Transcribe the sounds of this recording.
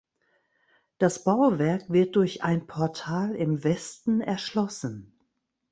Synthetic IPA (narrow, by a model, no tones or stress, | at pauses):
d̥asb̥aʊvɛɐkv̥ɪɐt̚d̥ʊɐçʔa̰ɪnpʰɔɐtʰaːlɪmvɛstn̩ɛɐʃlɔsn̩